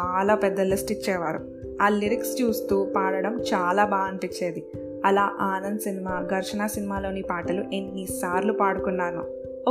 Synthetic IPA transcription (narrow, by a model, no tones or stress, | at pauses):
aːlaːpɛd̪ːɐlisʈit͡ʃːɛːʋaːɾṵ | aːliɾikst͡ʃuːst̪uːpaːɽɐɽɐmt͡ʃaːlaːbaːɐnpit͡ʃːeːd̪i | ɐlaːʔaːnɐnd̪usinimaːɡʱɐɾʃɐɳaːsinimaːlo̞ːnipaːʈɐluʔenːisaːɾlupaːɽukunːaːnu | o